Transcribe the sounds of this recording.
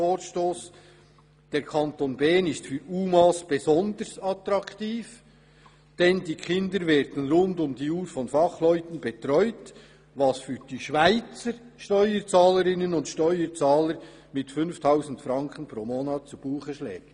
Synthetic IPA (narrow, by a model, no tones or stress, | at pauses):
oːɾʃtoːs | d̥ɛːɾkʰɑntoːnbɛːnɪstfyːɾuːmɑːsb̥ezɔnd̪əɾsɑtɾɑkʰtiːf | d̥ɛndiːkʰɪndəɾvɛːɾd̥ən̩ɾʊndʊmd̥iːuːɾfɔnfɑχlœʏtən̩bɛtɾɔʏt | vɑsfyːɾd̥iːʃvaɪt͡səɾ | ʃtɔʏət͡sɑːləɾɪnənʊntʃtœʏət͡sɑːləɾ | mɪtfʏnftʰaʊzn̩tfɾɑŋkʰənpɾoːmoːnɑːt̚t͡sub̥uːχəʃlɛ̰ːɡ̥